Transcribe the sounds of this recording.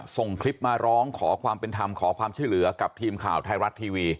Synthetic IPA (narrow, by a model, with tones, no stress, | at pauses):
so˨˩ŋkʰli˦˥p̚maː˧ɾɔː˦˥ŋkʰɔː˩˦kʰwaː˧mpe˧nt̪ʰa˧mkʰɔː˩˦kʰwaː˧mt͡ɕʰu˥˩jlɯ˩˦ɐka˨˩p̚t̪ʰiː˧mkʰa̰ː˨˩wt̪ʰa˧jɾa˦˥t̪ʰːiː˧wiː˧